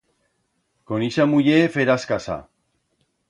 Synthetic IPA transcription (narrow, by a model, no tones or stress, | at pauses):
koniʃamuʎefeɾaskasa̰